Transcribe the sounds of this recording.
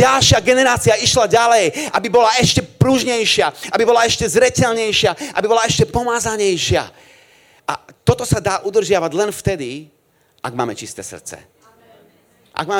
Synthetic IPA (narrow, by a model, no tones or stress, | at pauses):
alʃɪaɡɛnɛɾaːt͡siaiʃlaɟalɛjʔabibɔlaɛʃcɛpɾuʒɲɛjʃɪaabibɔlaɛʃcɛzɾɛcɛʎɲɛjʃɪaʔa̰bibɔlaɛʃcɛpɔmaːzaɲɛjʃɪa̰ | a̰t̪ɔt̪ɔsad̪aːʔud̪r̩ʒɪaʋaɟlɛnft̪ɛd̪i | a̰ɡma̰ːmɛt͡ʃist̪ɛ̰ːsr̩t̪t͡sɛ̰ | ʔa̰ɡ̚maː